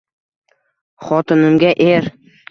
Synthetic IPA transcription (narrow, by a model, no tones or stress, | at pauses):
χɒt̪ɪnɪmɡʲaʔeɾ